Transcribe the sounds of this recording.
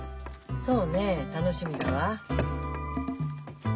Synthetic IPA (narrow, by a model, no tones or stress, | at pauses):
so̞ːneːt̪ano̞ɕimʲid̪aβa